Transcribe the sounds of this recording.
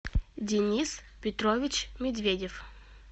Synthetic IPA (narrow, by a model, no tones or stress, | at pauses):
dʲɪnʲis | pʲɪt̪ɾovʲɪt͡ɕmʲɪd̪vʲedʲɪf